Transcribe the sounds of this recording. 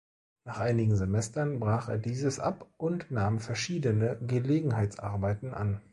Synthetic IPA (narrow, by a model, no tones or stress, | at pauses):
naːχʔaɪnɪɡŋ̩zemɛstɐnbʁaːχḛːɐdiːzəsʔa̰pʔʊntnaːmfɛɐʃiːdənəɡəleːɡŋ̩ɦaɪtt͡sʔa̰ɐbaɪtn̩ʔa̰n